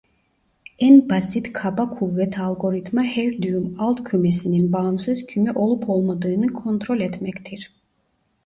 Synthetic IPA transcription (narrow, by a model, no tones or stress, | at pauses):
ænbasit̪kʰabakʰuvːɛt̪ʰalˠɡo̞ɾit̪mahæɾd̪yjymalˠt̪cʰymesininbaɯmsɯzcʰymɛʔo̞lˠupʰo̞lˠmad̪ɯːnɯkʰo̞nt̪ɾo̞lʲɛt̪mɛct̪ʰiɾ̥